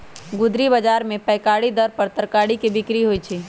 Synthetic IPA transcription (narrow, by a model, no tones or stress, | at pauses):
ɡʊd̪ɾibəd͡ʒaːɾmẽpəɪkaːɽid̪əɾpəɾt̪əɾkaːɽikebɪkɾiɦoːit͡ʃʰiː